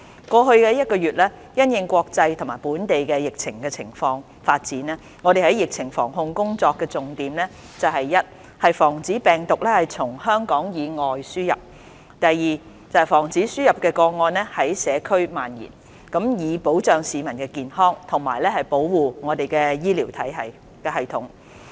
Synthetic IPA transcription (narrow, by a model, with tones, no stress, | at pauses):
kʷɔː˧ɦɵ˧ɥkɛː˧jɐ˥t̚kɔː˧jyː˨t̚lɛː˥ | jɐ˥njɪ˧ŋkʷɔː˧k̚t͡sɐ˧jt̪ʰʊ˨˩ŋmaː˨˩jpuː˨˥nt̪e˨jkɛ˧jɪ˨k̚t͡sʰɪ˨˩ŋkɛ˧t͡sʰɪ˨˩ŋfɔː˧ŋ | faː˧t̚t͡siː˨˥nɛ˥ | ŋɔː˨˧ɾe˨jhɐ˨˥jɪ˨k̚t͡sʰɪ˨˩ŋfɔ̰ː˨˩ŋɦʊ˧ŋkʊ˥ŋt͡sɔː˧kːɛː˧t͡sʊ˨ŋt̪iː˨˧mlɛː˥ | t͡sɐ˨wɦɐ˨jːɐ˥t̚ | hɐ˨jfɔː˨˩ŋt͡siː˨˥pɛː˨ŋt̪ʊ˨k̚lɛː˥hɐ˨jt͡sʰʊ˨˩ŋhœː˥ŋkɔː˨˥ŋjiː˨˧ŋɔː˨jsyː˥jɐ̰˨p̚ | t̪ɐ˨jːiː˨ | t͡sɐ˨whɐ˨˩jfɔː˨˩ŋt͡siː˨˥syː˥jɐ˨p̚kɛː˧kɔː˧ŋɔː˧nlɛ˥hɐ˨˥jsɛː˨˧kʰɵ˥ɥmaː˨njḭː˨˩n | kɐ˨˥mjiː˨˧po˨˥wt͡sœː˨ŋsiː˨˧mɐ˨˩nkɛː˧kiː˨nhɔː˥ŋt̪ʰʊ˨˩ŋmaː˨˩jlɛː˥hɐ˨jpo˨˥wwuː˨ŋɔː˨˧t̪e˨jkɛː˧jiː˥liː˨˩wt̪ʰɐ˨˥jɦɐ˨j | kɛː˧ɦɐ˨jt̪ʰʊ˨˥ŋ